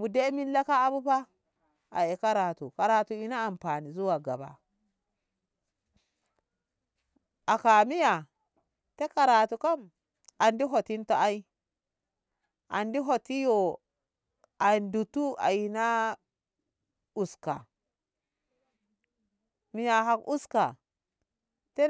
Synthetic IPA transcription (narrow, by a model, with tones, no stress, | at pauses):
mu˨de˦mi˦lːa˦kaː˦bu˦pa˦ | a̰˨e˨ka˦ɾa˨tu˨ka˨ɾa˨tu˨i˦naː˦˨mpa˨ni˨zu˦wa˨ɡa̰˨ba̰˨ | a˨ka˨mi˦ja˨ | te˦ka˨ɾa˨tu˨ka˦m | a˨ndi˦ɦo˨ti˦nto˦a˦i˦ | ʔa˨ndi˦ɦo˨ti˦jo˨ | a˨ndu˨tu˦a̰˨ji˨na˦ | u˨ska̰˨ | mi˨ja˨ɦa˨kʔu˦ska˨ | te˦